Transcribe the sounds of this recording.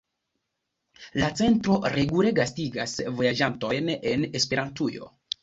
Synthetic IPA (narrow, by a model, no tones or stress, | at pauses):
lat͡se̞ntɾo̞ɾe̞ɡule̞ɡastiɡasvo̞jad͡ʒanto̞jne̞ne̞spe̞ɾʔantujo̞̰